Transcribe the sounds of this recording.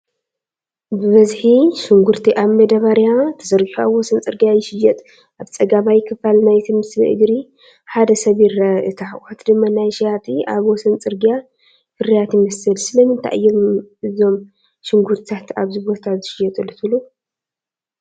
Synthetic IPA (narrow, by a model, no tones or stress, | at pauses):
bɨβɐzħiʃɪŋɡuɾt̪ʰiʔaβmɐd̪ɐβaɾjat̪ʰɐ̥zɐɾɡiħuaβwɔsɐnt͡sʼɨɾɡijajɪʃɪjɛt̪ʼ | ʔaβt͡sʼɐɡamajɪkʰɨfalnajt̪ʰimɨsɨ̰ʔɨ̰ɡɾi | ħad̪ɐsɐβjiɾɐʔɨt̪ʰaħat̪ʰd̪ɨmːanajʃijat̪ʰʼia̰βwɔsɐnt͡sʼɨɾɡija | fɨɾijat̪jɪmɐsɨlsɨlɐmɨnt̪ʰa̰ʔɨ̰jːɐmɨzo̞m | ʃɪŋɡuɾt̪ʰit̪ʰat̪aβzɨbot̪ʰatzɨʃɪjɐt̪ʼɨlɨt̪ʰulu